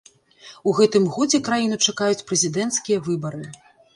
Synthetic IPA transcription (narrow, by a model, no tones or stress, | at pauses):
uɣɛt̪ɨmɣɔd͡zʲɛkɾajinut͡ʂakajut͡sʲpɾɛzʲid̪ɛnt̪skʲijɐvɨbɐɾɨ